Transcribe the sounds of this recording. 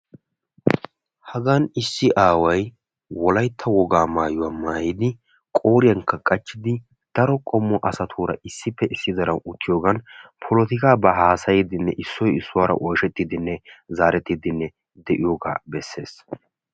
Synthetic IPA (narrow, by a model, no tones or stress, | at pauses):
hɐɡɐnɪsːɪʔaːwɐj | wɔlɐjt̪ʰːɐwɔɡaːmaːjʊwaːmaːjɪd̪ɪ | kʼoːɾɪjɐŋkʰːɐkʼɐt͡ʃːɪd̪ɪ | d̪̥ɐɾɔkʼɔmːɔʔɐsɐt̪ʰuːɾɐ̰ʔɪsːɪpːɛʔɪsːɪd̪ɐɾɐwʊt͡ʃːɪjoːɡɐnpʰɔlɔt̪ɪkaːbɐɦaːsɐjɪd̪ɪnːɛ̰ʔɪsːɔjɪsːʊwaːɾɐ̰ʔɔjʃɛt̪ːɪd̪ɪnːɛzaːɾɛt̪ːɪd̪ɪnːɛ | d̪ɛʔɪjoɡa̰ːbɛsːe̞̰ːs